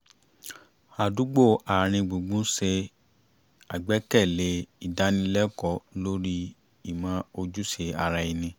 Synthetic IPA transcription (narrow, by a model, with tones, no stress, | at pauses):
a˨du˨˦ɡ͡bo˦˨a˨ɾ̃ĩ˧ɡ͡bo˨ɡ͡bũ˦se˧ | a˨ɡ͡bɛ˨˦kɛ˦˨le˧˦i˦˨da˨˦nĩ˧˦lɛ˦kɔ˧˦lo˦ɾi˦ | i˦˨mã˨˦o˧d͡ʒu˦ʃe˧a˧ɾa˧i˧nĩ˧